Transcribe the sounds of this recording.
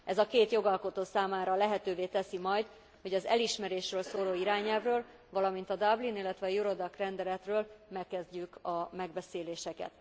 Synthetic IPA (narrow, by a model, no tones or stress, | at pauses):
ʔɛzɒkeːt̪jo̞ɡɒlko̞t̪oːsaːmaːɾɒlɛɦɛt̪øːveːt̪ɛsimɒjd̪ | ho̞ɟɒzɛ̰liʃmɛɾeːʃrøːlsoːloːiɾaːɲɛlvrøːl | vɒlɒmint̪ɒd̪ɒblinilːɛt̪ʋɛɒjuɾo̞d̪ɒkrɛnd̪ɛlɛt̪røːlmɛkːɛzɟykɒmɛɡbɛseːleːʃɛkɛ̰t̪